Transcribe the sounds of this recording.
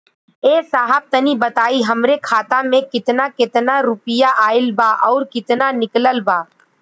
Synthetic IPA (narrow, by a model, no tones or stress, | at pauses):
eːsaːɦəb̚t̪ɐnibɐt̪aːiɦɐmɾekʰaːt̪ãmẽkɪt̪nakɪt̪naɾʊpɪjaʔaːɪlbaːʔɔːɾkɪt̪nanɪkləlbaː